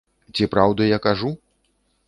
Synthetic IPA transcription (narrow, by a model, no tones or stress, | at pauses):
t͡sʲipɾawd̪ɐjakaʐu